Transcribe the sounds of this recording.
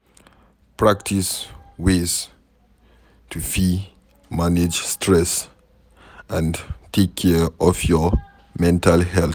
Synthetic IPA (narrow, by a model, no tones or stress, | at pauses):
pʰɹak̚tʰiswez | tʰufi | maned͡ʒstʰɹɛs | ãntʰekʰːɛɹʔɔfjɔ | mɛ̃ntalhɛl